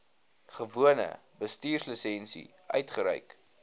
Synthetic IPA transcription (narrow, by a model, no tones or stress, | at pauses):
χəvuənə̰bəstiːrsləsɛnsḭ | ʔœɥtχəɾœ̰ɥk